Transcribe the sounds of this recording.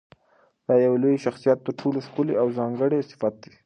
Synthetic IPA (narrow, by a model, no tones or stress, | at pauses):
d̪̥ɑjawelojʃaxsijat̪̚ːəɾʈʰoloʃkuleawzɑŋɡəɽest̪ɪ̥fɑt̪̚d̪i